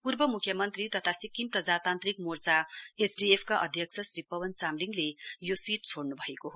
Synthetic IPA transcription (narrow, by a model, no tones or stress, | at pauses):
purbʌmukʰːjʌmʌnt̪rit̪ʌt̪ʰasikimprʌd͡zat̪ant̪rikmort͡saesɖiepʰkaʔʌd̪ʱjʌk̚t͡sʰʌsɾipʌwʌnt͡samliŋɡlejosiʈ̚t͡sʰoɽnubʱʌekoɦo